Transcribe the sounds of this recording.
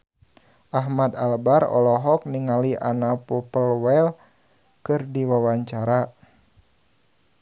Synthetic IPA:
ʔaɦmad̪a̰lbaɾɔ̰lɔɦɔk̚niŋaliʔanapɔpəlwɛl | kɨrdiwawaɲt͡ʃaɾa

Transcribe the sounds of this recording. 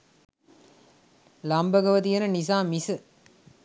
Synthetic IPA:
lɐmbɐɡɐʋɐt̪ijenɐnis̬aːmːisɨ

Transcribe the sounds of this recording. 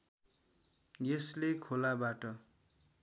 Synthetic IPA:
jeslekʰolabaʈʌ

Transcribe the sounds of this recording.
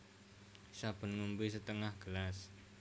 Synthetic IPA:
sab̥ə̤nŋumbisət̪əŋahɡ̥əlas

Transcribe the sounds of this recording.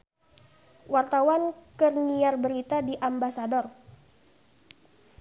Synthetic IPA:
wart̪awankərɲiarbəɾit̪adiʔambasadɔr

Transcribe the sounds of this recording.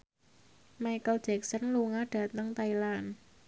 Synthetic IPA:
majkəld̥ʒ̥ɛ̤k̚sənluŋahɖ̥ä̤t̪əŋt̪ailan

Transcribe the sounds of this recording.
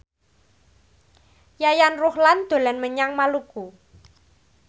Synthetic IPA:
jajanrʊhland̪̥o̤lanməɲaŋmaluɡ̥u

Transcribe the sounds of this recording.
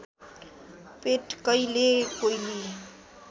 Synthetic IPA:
peʈkʌjlekojli

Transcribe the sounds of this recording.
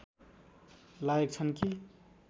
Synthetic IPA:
lajek̚t͡sʰʌnki

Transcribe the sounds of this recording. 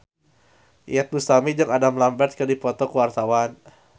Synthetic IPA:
ʔḭat̪̚bust̪amid͡ʒəkadamlambɛrt̪̚kərdipɔt̪ɔkəwart̪awan

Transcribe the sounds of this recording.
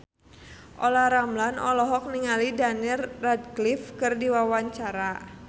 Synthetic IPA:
ʔɔlaɾamlanɔlɔɦɔk̚niŋalidanirːad̚klifkɨrdiwawaɲt͡ʃaɾa

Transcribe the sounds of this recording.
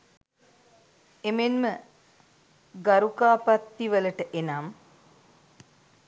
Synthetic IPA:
emenmə | ɡaɾukaːpat̪ːiʋələʈəʔenam

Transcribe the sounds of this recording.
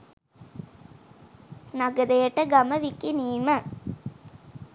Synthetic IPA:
naɡəɾəjəʈəɡaməʋikiniːmə

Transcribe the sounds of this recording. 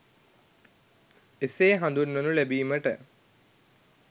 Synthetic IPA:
eseːɦãnd̪unːonulæbiːməʈə̰

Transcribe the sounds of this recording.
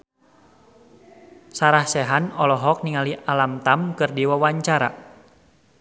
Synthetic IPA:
saɾahsɛɦanɔlɔɦɔk̚niŋaliʔalamt̪amkɨrdiwawaɲt͡ʃaɾa̰

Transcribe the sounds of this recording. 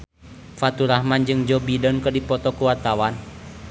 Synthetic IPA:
fat̪uɾahmand͡ʒɨŋd͡ʒɔbidɔnkərdipɔt̪ɔkuwart̪awan

